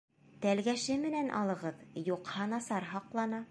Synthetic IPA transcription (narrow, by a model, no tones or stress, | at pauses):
t̪ælɡæʃɘmɘ̆nænʔɑ̰lˠɤ̆ʁɤðjuqhɑnɑsɑɾɦɑqlˠɑnɑ